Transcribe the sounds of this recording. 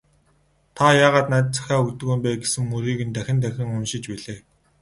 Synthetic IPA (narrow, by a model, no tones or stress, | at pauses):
t̪ʰajaːʁaːt̪naːt̪̚t͡sʰæ̥xʲæːukt̪ɵ̆ɣuːmpæːɡesɘ̆ŋːuɾiːɣɘ̆nt̪æxʲɪ̆nt̪̬æxʲɪ̆ŋʊnʃɪ̆t͡ɕpæɮeː